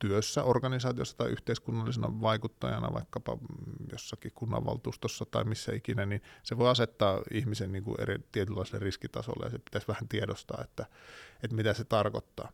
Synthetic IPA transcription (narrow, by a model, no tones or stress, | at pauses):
t̪yøsːæorkɑnisɑːt̪io̰sːɑ̥t̪ɑiʔyht̪eiskunːɑlːisenɑ̰ʋɑikut̪ːɑjɑnɑ̰ʋɑ̰ikːɑpɑ̰josːɑkihkunːɑ̰ʋʋɑ̰lt̪uːst̪osːɑt̪ɑimisːæ̰ikinæninseʋoˑiɑset̪ːɑːihmisenniːŋkṵʔʔḛrḭt̪iet̪ylːɑˑiselːeriskit̪ɑ̰so̰lːḛjɑsepit̪æsʋæhænt̪iedost̪ɑ̰ːet̪ːæet̪mit̪æset̪ɑrkot̪ːɑ̰ː